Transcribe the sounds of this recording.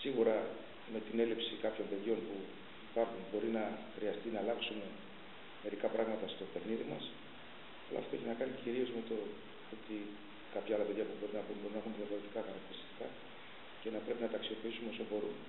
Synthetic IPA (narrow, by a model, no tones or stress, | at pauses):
siɣuɾɐ | me̞t̪ine̞lipsikɐpço̞mpe̞ðʝo̞npu | ipɐɾxunbo̞ɾinɐxɾiɐst̪inɐːlɐksume̞ | me̞ɾikɐpɾɐɣmɐt̪ɐst̪o̞pe̞xniðimɐs | ɐlɐ̰ft̪oeçinɐkɐniciɾio̞zme̞t̪o | ot̪i | kɐpçɐɐlɐpe̞ðʝɐpubo̞ɾinɐpunbo̞ɾinɐexunðjɐfo̞ɾe̞t̪ikɐxɐɾɐk̚t̪iɾist̪i̥kɐ | ce̞nɐpɾe̞pinɐt̪ɐksiopiisume̞osombo̞ɾun